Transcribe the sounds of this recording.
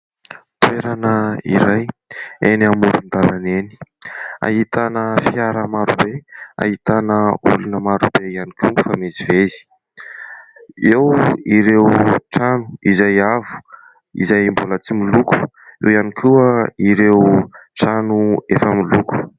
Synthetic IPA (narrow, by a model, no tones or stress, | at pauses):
t̪weɾanəḭɾajeniamuɾund̪alaneni̥a̰ɦit̪anəfiaɾəmaɾubea̰ɦit̪anəulunəmaɾubejanikʰiwfamezivezi̥ | ewiɾewʈ͡ʂanu̥izajavu̥ | ḭzajmbolat͡similuku̥ | ewianikʰuəiɾewʈ͡ʂanuefəmiluku̥